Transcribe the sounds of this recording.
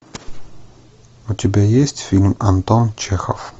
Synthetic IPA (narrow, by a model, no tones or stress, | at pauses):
ut̪ʲɛbɛjɛst̪filmant̪ɔnt͡ʃɛxɔ̰f